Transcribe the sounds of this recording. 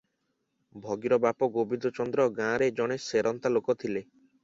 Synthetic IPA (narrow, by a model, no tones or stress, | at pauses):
bʱɔɡiɾɔbapɔɡobid̪ɔt͡ʃɔnd̪ɾɔɡãɾed͡ʒɔɽ̃eseɾɔnt̪alokɔt̪ʰile